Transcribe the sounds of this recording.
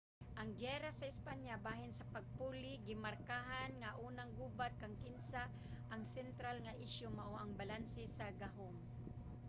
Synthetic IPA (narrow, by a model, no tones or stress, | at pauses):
ʔɐŋɡɛːɾasɐɪspaɲjabaːhɪnsɐpɐɡ̚puːlɪɡɪmaɾkaɦanŋaʔuːnaŋɡuːbat̪̚kaŋkɪnsa | ʔɐŋsɛnt̪ɾalŋaʔɪʃjomaʔoʔɐŋbalansɪsaɡaɦom